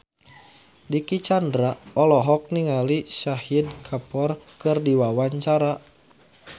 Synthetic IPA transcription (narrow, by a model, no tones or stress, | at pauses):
dikit͡ʃandɾaɔlɔɦɔk̚niŋalisahidkʰapɔrkɨrdiwawaɲt͡ʃaɾa